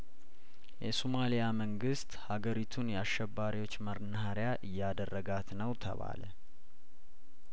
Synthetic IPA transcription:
jɛsomalijaməŋɡɨst̪haɡəɾit̪ʰunjɛaʃːɛbːaɾiwo̞t͡ʃːməɾnhəɾjaʔɨjːad̪ərːəɡat̪nəwt̪ʰə̰βa̰lə̰

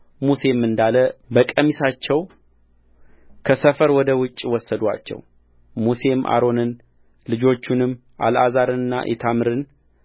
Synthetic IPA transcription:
muse̞mːɨnd̪aləbəkʼːəmisat͡ʃːɛw | kʰəsəfəɾwɔd̪əwʊt͡ʃʼːwɔsːəd̪wa̰t͡ʃːɛ̰w | muse̞mʔa̰ɾo̞nɨn | lɨd͡ʒo̞t͡ʃːunɨmː | ʔa̰lazaɾɨnɨnːa̰ʔɛ̰t̪ʰamɨɾɨn

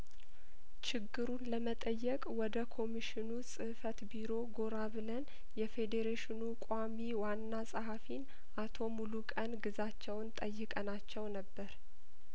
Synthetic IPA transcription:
t͡ʃɪɡːɨɾunləmət̪ʼəjːɛkʼwɔd̪əkʰo̞miʃɪnusʼɨfət̪biɾo̞ɡo̞ɾaβɨlən | jɛfe̞d̪eɾeʃɪnukʼamiwanːasʼəɦafin | ʔat̪ʰo̞mulukʼənɡɨzat͡ʃːɛwnt̪ʼəjːɨkʼənat͡ʃːɛwnəbːəɾ

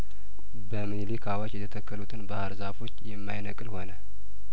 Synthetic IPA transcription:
bəmɨnlikʰawat͡ʃjɛt̪ʰət̪ʰəkːəlut̪ʰɨnbahaɾzafo̞t͡ʃːjɛmːajnəkʼɨlho̞nə

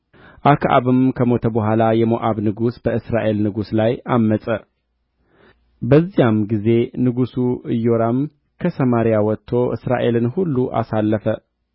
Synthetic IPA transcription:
ʔakʰʔa̰βɨmkʰəmo̞t̪ʰəbəɦʷalajɛmoʔaβnɨɡusb̥əɨsɾaʔe̞lnɨɡuslajamːəsʼə | bəzːijamɡize̞nɨɡusuɨjːoɾam | kʰəsəmaɾijawɔt̪ʰːo̞ʔɨ̰sɾa̰ʔe̞lɨnhulːuʔa̰salːəfə

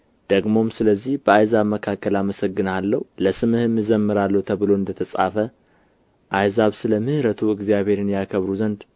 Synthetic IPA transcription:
d̪̥əɡmo̞msɨləzːihbəajzaβməkʰakːəlaməsəɡːɨnalːəhuləsɨmɨhɨmɨzəmːɨɾalːəhut̪ʰəβɨlo̞ɨnd̪ət̪ʰəsʼa̰fə | ʔajzaβsɨləmɨhɾət̪ʰuɨɡzijaβhe̞ɾɨnjakʰəβɾuzənd̪

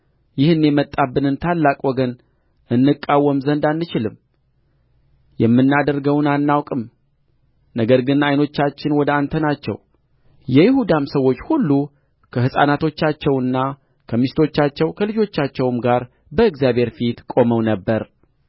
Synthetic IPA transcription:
jɪhɨnːɛmət̪ʼːabːɨnɨnt̪ʰalːakʼwɔɡən | ɨnːɨkʼːawːəmzənd̪anːɨt͡ʃɪlɨm | jɛmːɨnːad̪əɾɡəwnanːawkʼɨm | nəɡəɾɡɨnajno̞t͡ʃːat͡ʃːɪnwɔd̪əant̪ʰənat͡ʃːɛ̰w | jɛjɪhud̪amsəwːo̞t͡ʃːhulːu | kʰəhɨsʼa̰nat̪ʰo̞t͡ʃːat͡ʃːɛwɨnːa | kʰəmist̪ʰo̞t͡ʃːat͡ʃːɛwkʰəlɨd͡ʒo̞t͡ʃːat͡ʃːɛwmɡaɾ | bəɨɡzjabhe̞ɾfit̪kʼo̞məwnəbːəɾ

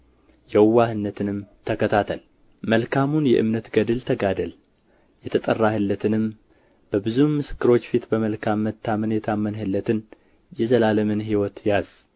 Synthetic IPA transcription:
jɛwːahɨnːət̪ʰɨnɨmt̪ʰəkʰət̪ʰat̪ʰəl | məlkʰamunjɛ̰ʔɨ̰mnət̪ɡəd̪ɨlt̪ʰəɡad̪əl | jɛt̪ʰət̪ʼərːahɨlːət̪ʰɨnɨm | b̥əbɨzumɨsɨ̥kːɨɾo̞t͡ʃːfit̪bəməlkʰamːət̪ʰːamənjɛt̪ʰamːənhɨlːət̪ʰɨn | jɛzəlaləmɨnɦiwɔt̪jaz̥

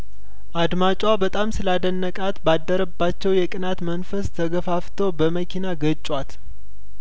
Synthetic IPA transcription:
ʔad̪mat͡ʃʼabət̪ʼamsɨlad̪ənːəkʼat̪bad̪ːəɾəbːat͡ʃːɛwjɛkʼɨnat̪mənfəst̪ʰəɡəfaft̪ʰobəməkʰinaɡət͡ʃʼːwat̪

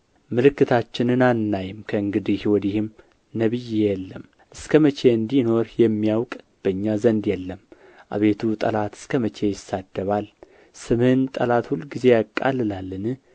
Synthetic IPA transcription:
mɨlɨkːɨt̪ʰat͡ʃːɪnɨnanːajɪmkʰəɨŋɡɨd̪ihwɔd̪ihɪm | nəβɨjːejɛlːəm | ʔɨskʰəmət͡ʃe̞ɨnd̪ino̞ɾjɛmːijawkʼ | b̥əɨɲːazənd̪jɛlːəm | ʔa̰βe̞t̪ʰut̪ʼə̰lat̪ɨ̥skʰəmət͡ʃe̞jɪsːad̪ːəβal | sɨmhɨnt̪ʼəlat̪hulɡize̞jakʼːa̰lɨlalːɨnɨ

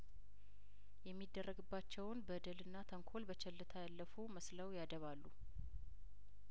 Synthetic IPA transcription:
jɛmːid̪ːərːəɡɨbːat͡ʃːɛwnbəd̪əlɨnːat̪ʰəŋkʰo̞lbət͡ʃʰɛlːɨt̪ʰajalːəfuməslawjad̪əβalːu

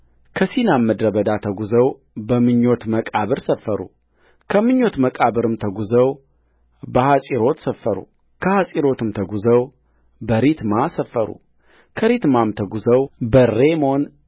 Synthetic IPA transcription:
kʰəsinamːəd̪ɾəbəd̪at̪ʰəɡuzəw | bəmɨɲːo̞t̪məkʼaβɨɾsəfːəɾṵ | kʰəmɨɲːo̞t̪məkʼaβɨɾɨmt̪ʰəɡuzəw | bəhasʼiɾo̞t̪səfːəɾṵ | kʰəhasʼiɾo̞t̪ɨmt̪ʰəɡuzəw | bəɾit̪masəfːəɾṵ | kʰəɾit̪mamt̪ʰəɡuzəwbəɾemo̞n

